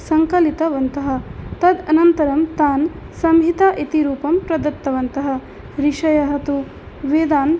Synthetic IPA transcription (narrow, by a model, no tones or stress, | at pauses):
sɐŋkɐlit̪ɐʋɐnt̪ɐɦɐ̆t̪ɐd̪ɐnɐnt̪ɐɾɐmt̪aːn | sɐmɦit̪aʔet̪iɾuːpɐmpɾɐd̪ɐt̪ːɐʋɐnt̪ɐɦɐ̆ | ɾiʂɐjɐɦɐt̪u | ʋeːd̪aːn